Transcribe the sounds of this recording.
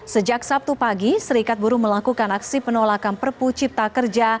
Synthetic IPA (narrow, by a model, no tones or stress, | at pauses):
səd͡ʒak̚sap̚t̪upaɡisəɾikat̪̚buɾuməlakukanak̚sipənolakanpərput͡ʃip̚t̪akərd͡ʒa